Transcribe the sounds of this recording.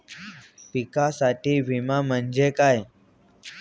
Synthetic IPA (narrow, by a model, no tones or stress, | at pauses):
pikasaʈiːʋʱimam̤ənd͡ʑekaj